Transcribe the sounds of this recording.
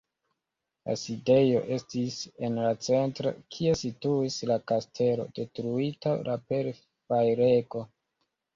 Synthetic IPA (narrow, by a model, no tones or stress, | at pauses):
la̰side̞jo̞̰ʔe̞stise̞nlat͡se̞ntɾo̰kʰie̞situislakastʰe̞lo̰de̞tɾuitalape̞ɾ | fajɾe̞ko̞